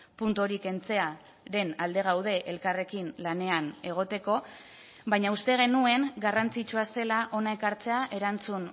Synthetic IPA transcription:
punt̪o̞ɾike̞nt͡se̞a | ɾe̞nald̪e̞ɣ̞awðe̞ʔelkare̞kinlane̞ane̞ɣ̞o̞t̪e̞ko̞ | βajɲaust̪e̞ɣ̞e̞nue̞ŋɡarant͡sit͡ʃuase̞laʔo̞nae̞kaɾt͡se̞aʔe̞ɾant͡sun

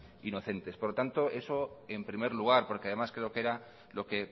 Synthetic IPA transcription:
ino̞θe̞nt̪e̞spoɾlot̪ant̪o̞ʔe̞so̞e̞mpɾime̞ɾluɣ̞aɾpo̞ɾkeað̞e̞maskɾe̞o̞ke̞ɾa | lo̞ke̞

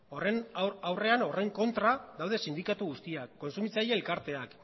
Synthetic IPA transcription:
ore̞nawre̞ano̞rejŋko̞nt̪ɾaðawð̞e̞sind̪ikat̪uɣust̪iakːo̞nsumit͡sajeːlkaɾt̪e̞ak

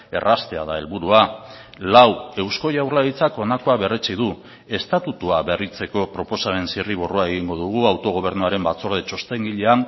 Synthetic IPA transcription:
e̞̰rast̪e̞aðae̞lβuɾua | lawe̞wsko̞jawɾlaðit͡sako̞nako̞aβe̞ret͡siðu | e̞st̪at̪ut̪uaβe̞rit͡se̞ko̞pɾo̞po̞saβe̞nsiriβ̞oroae̞ɣ̞iŋɡo̞ð̞uɣ̞uawt̪o̞ɣ̞o̞β̞e̞ɾnuaɾe̞mbat͡so̞ɾðet͡ʃo̞st̪e̞ŋɡiʎe̞an

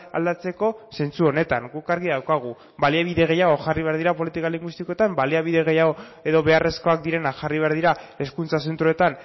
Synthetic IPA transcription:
a̰ld̪at͡se̞ko̞se̞nt͡suo̞ne̞t̪aŋɡukaɾɣiðawkaɣ̞u | baliaβiðe̞ɣ̞e̞jaɣo̞ʝariβe̞aɾðiɾapo̞lit̪ikaliŋɡwist̪iko̞et̪ambaliaβiðe̞ɣ̞ejaɣo | e̞ðo̞βe̞are̞sko̞ak̚d̪iɾe̞nakʝariβe̞aɾðiɾa | e̞skunt͡sas̬e̞nt̪ɾoe̞t̪an

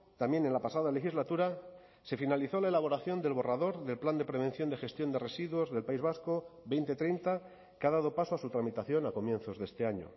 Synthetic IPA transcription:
t̪amje̞nenlapasað̞ale̞xizlat̪uɾa | se̞finaliθo̞lae̞laβ̞o̞ɾaθjo̞nd̪e̞lβo̞raðo̞ɾðe̞lpland̪e̞pɾe̞β̞ẽ̞n̟θjo̞nd̪e̞xe̞st̪jo̞nd̪e̞re̞siðwo̞zðe̞lpaizβasko̞βe̞jnt̪e̞t̪ɾe̞jnt̪a | kaðað̞o̞pasoasut̪ɾamit̪aθjo̞nako̞mje̞nθo̞zðe̞st̪e̞aɲo̰

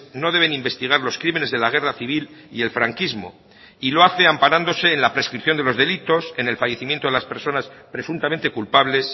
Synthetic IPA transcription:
no̞ðe̞β̞e̞nimbe̞st̪iɣ̞aɾlo̞skɾime̞ne̞zðe̞laɣ̞e̞raθiβilḭe̞lfɾaŋkizmo̞̰ | ilo̞aθe̞ampaɾand̪o̞se̞ːnlapɾe̞skɾipθjo̞nd̪e̞lo̞zðe̞lit̪o̞se̞ne̞lfaje̞θimjent̪o̞ðe̞laspe̞ɾso̞naspɾe̞sunt̪ament̪e̞kulpaβle̞s

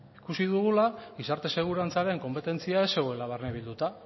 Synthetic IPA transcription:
ikusiðuɣulaɣisaɾt̪e̞se̞ɣ̞uɾant͡saɾe̞ŋko̞mpe̞t̪e̞nt͡siaese̞e̞laβ̞erneβ̞ild̪ut̪a

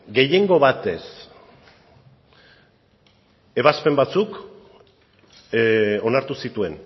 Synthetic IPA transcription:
ɡe̞je̞ŋɡo̞βat̪e̞s | e̞β̞aspe̞mbat͡suk | o̞naɾt̪usit̪ue̞n

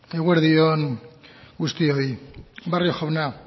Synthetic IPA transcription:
eɣweɾðion | ɡust̪iojbarioxaβna

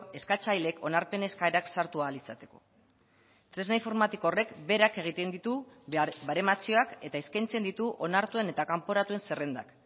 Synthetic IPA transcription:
e̞skat͡ʃajle̞kʰo̞naɾpe̞ne̞skaeɾaksaɾt̪ualisat̪e̞̥ko̞̥ | t̪ɾe̞znaiɱfo̞ɾmat̪ikore̞kbe̞ɾake̞ɣ̞it̪e̞nd̪it̪ubaɾe̞mat͡sio̞ake̞t̪aiskajnt͡se̞nd̪it̪uʔo̞naɾt̪ue̞ne̞t̪akampo̞ɾat̪ue̞nse̞re̞nd̪a̰k

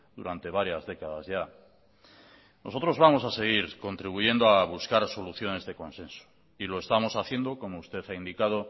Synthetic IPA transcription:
d̪uɾant̪e̞β̞aɾjazðe̞kaðazʝa | noso̞t̪ɾo̞zβamo̞sase̞ɣ̞iɾko̞nt̪ɾiβuʝe̞nd̪oaβ̞uskaɾso̞luθjo̞ne̞zðe̞ko̞nse̞nso̥ | ilo̞e̞st̪amo̞saθje̞nd̪o̞ko̞moust̪e̞θaind̪ikað̞o̞

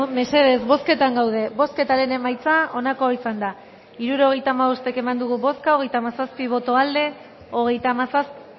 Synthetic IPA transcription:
me̞se̞ðe̞zβo̞ske̞t̪aŋɡawð̞e̞βo̞ske̞t̪aɾe̞ne̞majt͡sao̞nako̞isand̪a | iɾuɾo̞ɣ̞e̞jt̪aːmaβo̞st̪e̞ke̞mand̪uɣuβo̞skaoɣe̞jt̪amasaspiβ̞o̞t̪o̞ald̪e̞ | o̞ɣ̞e̞jt̪amasasp

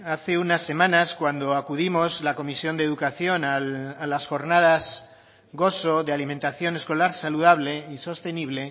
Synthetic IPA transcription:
aθe̞unasːe̞mãnaskwand̪oakuð̞imo̞zlako̞misjo̞nd̪eðukaθjo̞naalasxo̞ɾnað̞az | ɡo̞so̞ðealimẽnt̪aθjo̞ne̞sko̞laɾsaluðaβ̞le̞iso̞st̪e̞niβ̞le̞

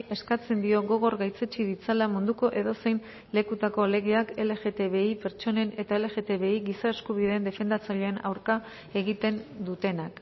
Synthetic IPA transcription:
e̞skat͡se̞nd̪io̞ɣo̞ɣo̞rɣajt͡se̞t͡ʃiðit͡salamund̪uko̞ʔe̞ðo̞se̞jn | le̞kut̪ako̞le̞ɣeake̞le̞ɣe̞t̪e̞βe̞ipe̞ɾt͡ʃo̞ne̞ne̞t̪ae̞le̞ɣe̞t̪e̞βe̞iɣisae̞skuβ̞iðe̞ːnd̪e̞fe̞nd̪at͡saʎe̞ːna̰wɾka | e̞ɣit̪e̞nd̪ut̪e̞nak

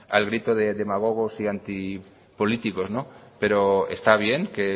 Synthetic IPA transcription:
a̰lɣɾit̪oðeðemaɣ̞oɣ̞osiant̪i | po̞lit̪iko̞znope̞ɾoḛst̪aβ̞je̞ŋke

